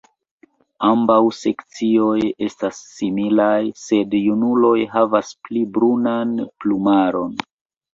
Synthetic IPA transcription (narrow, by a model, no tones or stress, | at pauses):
ambawse̞kt͡sio̞je̞stasːimilajse̞djunulo̞jɦavasplibɾunanplumaɾo̞n